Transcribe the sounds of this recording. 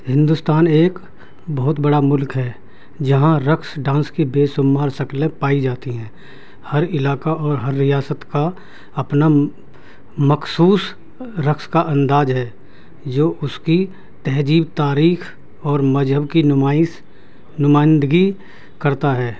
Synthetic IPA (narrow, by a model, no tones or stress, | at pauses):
hɪ̃nd̪ʊst̪aːneːk | bɔɦʊt̪bɐɽamʊlkɦɛː | d͡ʒɐɦãɾəksɖãːnskibeːsʊmːaːɾsɐklẽpaːid͡ʒaːt̪iɦɛ̃ː | hɐɾɪlaːkaɔːɾɦɐɾːɪjaːsət̪ka | ɐpna | məxsuːs | ɾəkskaʔɐ̃nd̪aːd͡ʒɦɛː | d͡ʒoːʔʊski | t̪ɛɦd͡ʒiːbt̪aːɾiːxʰ | ɔːɾmɐd͡ʒɦəbkina | nʊmaːɪ̃nd̪əɡi | kɐɾt̪aɦɛː